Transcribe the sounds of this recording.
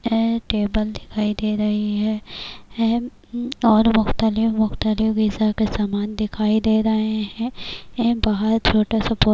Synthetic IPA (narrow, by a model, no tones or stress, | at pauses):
ʈeːbəld̪ɪkʰaːid̪eːɾɐɦiɦɛː | ɔːɾmʊxt̪əlɪfmʊxt̪əlɪfɡizakesaːmaːnd̪ɪkʰaːid̪eːɾɐɦeɦɛ̃ | baɦəɾt͡ʃʰoːʈasɐpoː